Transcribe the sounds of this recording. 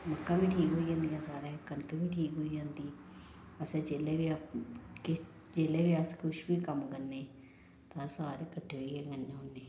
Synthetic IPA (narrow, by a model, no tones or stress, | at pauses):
məkːãːʋiːʈʰiːkɦoːiːd͡ʒãːnd̪ijãːsaːɾeːkːənkəʋiːʈʰiːkɦoːiːd͡ʒãːnd̪iː | əsẽːd͡ʒeːleːʋiːkɪ | d͡ʒeːleːʋiːəskʰʊʃbiːkəmkəɾneː | t̪ãːsaːɾeːkəʈʰːeːɦoiːɦɛːɡənd͡ʒɦoːnːeː